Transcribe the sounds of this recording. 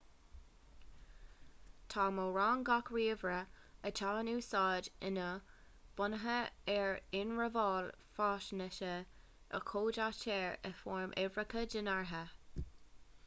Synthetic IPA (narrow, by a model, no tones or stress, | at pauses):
t̪ʰɑːmoɹɑːŋɡɑkɹiːvɹə | ətʰɑːnuːsɑːdɪnə | b̥ʊnəɦəɛɹɪnɹəvɑːl | fɑːʃnəʃə | ə̰kʰoːdatʰɛːɹə̰fɔːɹmʔɛvɹəkʰədənaɹɦə